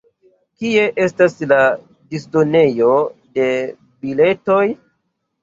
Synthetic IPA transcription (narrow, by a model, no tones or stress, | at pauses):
kie̞ʔe̞stasla | disdo̞ne̞jo̞de̞ | bile̞to̞j